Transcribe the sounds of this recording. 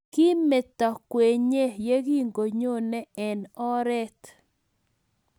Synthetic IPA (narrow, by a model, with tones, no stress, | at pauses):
ki˦mɛ˨t̪ɔ˨kwe˨ɲe˦je˦ɡi˦ŋɡo˨ɲo˦nɛ˦ɛ˨nɔ˦ɾɛ˦t̪